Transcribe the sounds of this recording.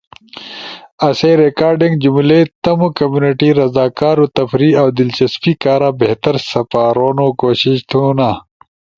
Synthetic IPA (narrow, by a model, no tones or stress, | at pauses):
ɐseːɾekaːɾɖiŋɡd͡ʑumlet̪ɐmukɐmjuːniʈiɾɐzaːkaːɾot̪ɐfɾiawd̪ɪlt͡ɕɐspikaːɾabeɦt̪ɐɾsɐpaːɾoːnokoːɕiɕt̪ʰuna